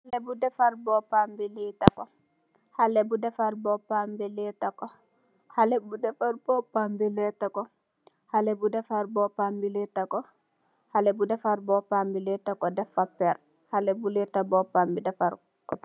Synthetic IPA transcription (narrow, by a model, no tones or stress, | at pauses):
halɛbudɛfaɾbɔpambɛlɛtakɔ | halɛbudɛfaɾbɔpambɛlɛtakɔ | halɛbudɛfaɾbɔpambilɛtakɔ | halɛbudɛfaɾbɔpambilɛtakɔ | halɛbudɛfaɾbɔpambɛlɛtakɔdɛfapːɛɾ | halɛbulɛtabɔpambidɛfaɾ | kɔ